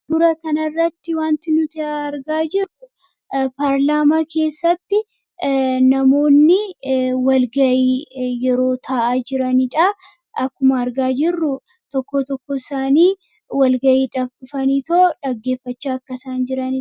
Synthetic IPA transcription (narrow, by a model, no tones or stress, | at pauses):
d̪̥ʊɾɐkɐnɐrːɐt̪ːɪwaːnt̪ɪnʊt̪ɪɐɾɡaːd͡ʒɪrːʊ | paːɾlaːmaːkʰe̞ːsːɐt̪ːɪ | nɐmo̞ːnːɪwɐlɡɐʔiːjɛɾo̞ːt̪ʰaːʔaːd͡ʒɪɾɐnɪᶑɐ | ʔɐkːʊmɐːɾɡaːd͡ʒɪrːʊ | t̪ɔkːot̪ɔkːɔɪsaːniː | wɐlɡɐʔiːᶑɐfᶑʊfɐniːt̪oːᶑɐɡːe̞ːfːɐt͡ʃːaːkːɐsaːnd͡ʒɪɾɐnɪ